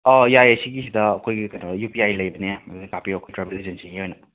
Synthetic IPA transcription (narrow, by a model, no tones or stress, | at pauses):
ɔjajɐsiɡisid̪ɐːkʰojɡikɐjnɐjupiajlɐjbɐnejamaɡikapiɾːkʰojtɾabelizɐnsiŋihojnɐ